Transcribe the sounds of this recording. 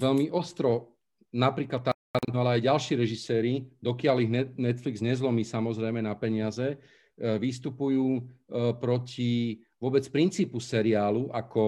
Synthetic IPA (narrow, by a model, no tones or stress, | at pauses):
ʋɛʎmiʔɔst̪ɾɔ | napɾiːklat̪̚ːa | aɾalɛajɟalʃiːɾɛʒisɛːɾid̪ɔkɪaliɦnɛnɛt̪fliɡzɲɛzlɔmiːsamɔzɾɛjmɛnapɛɲɪazɛ | ʋist̪upujuːpɾɔcʰi | ʋʊɔbɛt͡spɾint͡siːpusɛɾiaːluʔakɔ